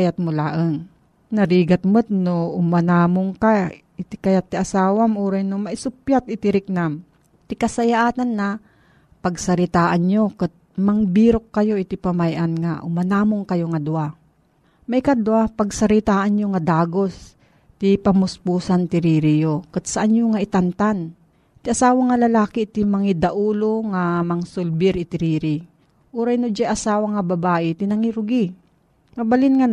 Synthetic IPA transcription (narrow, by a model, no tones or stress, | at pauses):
jat̪̚mʊlaːʔəŋ | nɐɾiːɡat̪̚mɨt̪̚noʔʊmɐnaːmoŋka | ɪt̪ɪkɐjat̪ːɪʔasaːwamuːɾɛjnomɐʔɪsʊpjat̪ɪt̪ɪɾɪk̚nam | t̪ɪkɐsɐjaʔaːt̪anːa | pɐɡsɐɾɪt̪aːʔanɲokɨt̪̚mɐŋbiːɾokːɐjoʔɪt̪ɪpamajʔanŋaʔʊmanaːmoŋkɐjoŋad̪ua | mɐjkad̪wapɐɡ̚sɐɾɪt̪aːʔanɲoŋad̪aːɡo̞s | t̪ɪpɐmʊspuːsant̪ɪɾiːɾijokat̪̚sɐʔaɲjoŋaʔɪt̪ant̪an | t̪ɪʔɐsaːwaŋalɐlaːkɪt̪imɐŋɪd̪ɐʔuːloŋamɐŋsʊlbɪɾʔɪt̪ɪɾiːɾɪ | ʔuɾajnod͡ʒaʔɐsaːwaŋabɐbaːʔɪt̪ɪnɐŋiɾʊɡi | mɐbalɪnŋa